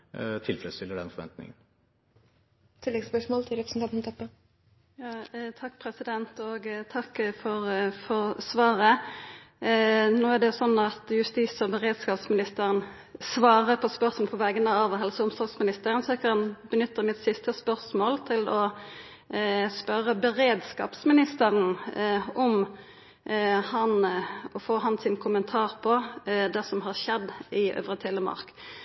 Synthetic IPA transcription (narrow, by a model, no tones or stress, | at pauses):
t̪ʰɪlfɛləst̪ɪlːəɖɛ̰nfɔɾʋɛ̰nt̪nɪ̰ŋən | t̪ʰɪlːɛɡspœʂmɔːlt̪ʰɪlɾɛpɾəsn̩t̪ɑnt̪m̩t̪ʰɛpːə | jɑːt̪ʰɑkːpʰɾɛsɪd̪ɛnt̪ɔɡt̪ʰɑkːfɔʁfɔʁsʋɑːʁə | noːæʁɖ̪ɛjʊsɔnːɑt̪jʉst̪iːsɔbəʁeːd̪skɑːpsmɪnɪst̪əʁən | sʋɑːʁəpʰɔspœɾsml̩pʰɔʋæːɡənəɑʋɦɛlsəʊmsɔlɡsmɪnɪst̪əʁənsɔækɑnbənʏt̪ːəmɪt̪sɪst̪əspœʁsmoːlt̪ʰɪlɔ | spœɾəbəʁeːd̪skɑ̰ːpsmɪnɪst̪əʁən | ɔm | hɑnɔfoːɦɑnsɪnkʰʊmənt̪ʰɑːʁpʰɔd̪ɛsɔmɦɑʁʃɛd̪ɪʔø̰ːʋʁət̪ʰɪlːəmɑ̰ʁk